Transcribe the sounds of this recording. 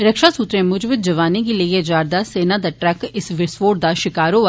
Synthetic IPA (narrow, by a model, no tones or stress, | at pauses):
ɾəkʃaːsut̪ɾẽːmʊd͡ʒbɪd̪̚d͡ʒəʋaːnẽːɡiːləiːeːd͡ʒaːɾd̪aːseːnãːd̪aːʈɾɛːkɪsʋɪsʋoːʈd̪aːʃɪkaːɾɦoːa